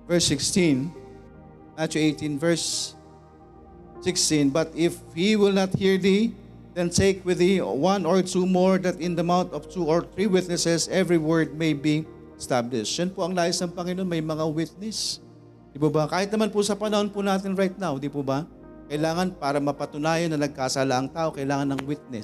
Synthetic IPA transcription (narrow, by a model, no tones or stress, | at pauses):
vɛɹsːɪkst̪ĩn | at͡ʃʊʔejt̪ĩnvɛɹs | ɪkst̪ĩnbɐt̪ɪf | hiwɪlˠnɐt̪̚hiɹd̪i | d̪̥ɛnt̪ejkwɪðiwãnɔɹt̪umoɹd̪ɐt̪ɪ̃nd̪ɐmawnt̪ɔv̥t̪uɔɹt̪ɹiwɪt̪̚nɛsɛsʔɛvɹiwɜɹd̪̚mejbi | st̪ablɪʃd͡ʒɐnpoɐŋlaːjɪsnɐŋpɐŋɪno̞nmɐjmɐŋawɪt̪̚nɛs | d̪ipobɐkaːhɪt̪nɐmanpʊsɐpɐnɐho̞npʊnaːt̪̬ɪnɹajt̪̚nawd̪ipobɐ | kɐjlaːŋɐnpaːɾɐmɐpɐt̪ʊnaːjɐnːɐnɐɡ̚kaːsalaʔɐŋt̪aːʔo̞kɐjlaːŋɐnːɐŋwɪt̪̚nɛ